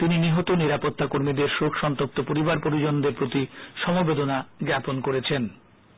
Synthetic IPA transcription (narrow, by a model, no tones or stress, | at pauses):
t̪ininiɦot̪oniɾapot̪ːakoɾmid̪eɾʃokʃɔnt̪op̚t̪opoɾibaɾpoɾid͡ʑond̪eɾpɾot̪iʃɔmobed̪onaɡɾɛponkoɾet͡ɕʰen